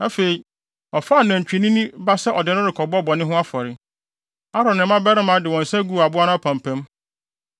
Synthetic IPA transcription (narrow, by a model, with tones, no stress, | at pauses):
nã˦fe˨i˨ | ɔ˨fa˦˨nã˨ɲ˨t͡ɕᶣi˨nĩ˦nĩ˦ba˦sɛ˦ʔɔ˨dɪ˨˦nʊ̃˦ɾɪ˨kʰɔ˨bɔ˦˨bɔ˨nɪ̃˦ɦʊ̃˦a˦fɔ˨ɾɪ˨ | a˦ɾɔ̃˨nɪ̃˨mã˦bɛ˦ɾɪ˦mã˨˦dɪ˨wɔ̃˨n̩˨sɛ˦ɡu˦˨a˨bʊ˦a˦nʊ̃˦ɔ˦pʰã˨m˨pʰɛ̃˦m